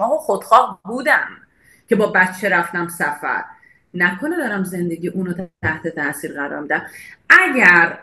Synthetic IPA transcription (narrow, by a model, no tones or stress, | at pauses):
ɒːoχod̪̥χɒːhbuːd̪æn | cʰʲe̞bɒːbætt͡ʃʰːe̞ɾæft̪æmsæfæ̰ɾ | nækʰo̞ned̪ɒːɾæmze̞nd̪e̞ɟʲiːʔuːnot̪æt̪ʰæht̪ʰe̞t̪ʰæʔsiːɾɢæɾɒ̰ːɾmid̪æmæɟæɾ